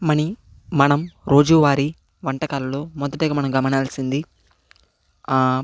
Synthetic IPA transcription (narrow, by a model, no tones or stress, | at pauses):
mɐni | mɐnɐmɾo̞ːd͡ʒuːʋaːɾi | ʋɐɳʈɐkaːlɐlo̞ːmɔd̪ɐʈɛɡɐmɐnɐmɡɐmɐɳaːlsind̪i